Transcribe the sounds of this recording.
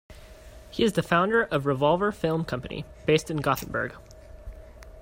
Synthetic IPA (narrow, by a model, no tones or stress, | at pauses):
hiɨzðɨfãʊ̃ndə˞ʔʌvɹɨvɑlˠvə˞fɪlˠmkʰʌ̃mpɨnḭb̥eɪstɨ̃n̩ɡɑθn̩bə̰˞ɡ̥